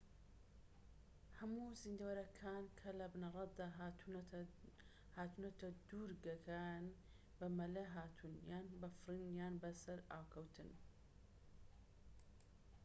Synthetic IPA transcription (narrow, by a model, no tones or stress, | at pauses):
hɐmuːzind̪awɐɾɐkʰaːnkʰɐlɐbɨnɐrˤɑt̪d̪aː | haːt̪unɐt̪ʰɐd̪uɾɡɐkʰaːjn | bɐmɐlɐɦaːt̪ʰunjaːnbɐfrinjaːnbɐsɐɾaːwkʰɐwt̪ʰɨn